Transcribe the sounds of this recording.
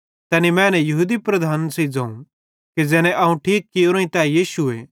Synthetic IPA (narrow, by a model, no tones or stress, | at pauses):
t̪ɛːnimɛ̃ːnɛjɐɦuːd̪ipɾɐd̪ʱaːnsid͡zãːũ | ked͡zɛːnɛ̃ʔɐũʈʰiːkːɪjoɾõĩt̪ɛjiːsuḛː